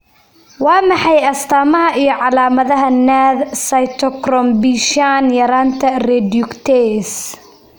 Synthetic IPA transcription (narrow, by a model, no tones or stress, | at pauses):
wɑːmɑħɑjɐst̪ʰaːmɐɦɐʔijɞʕɑlaːmɐðɐɦɐnaːd̪sɐjt̪ʰɔkrɔmbiʃanjɐɾaːnt̪ʰɐrɛd̪jʊkt̪ʰɛs